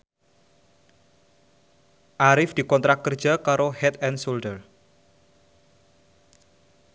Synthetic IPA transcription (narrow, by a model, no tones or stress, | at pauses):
ʔaɾɪfd̥ikɔnt̪ɾak̚ːərd͡ʒakaɾohɛt̪̚ɛnsoldər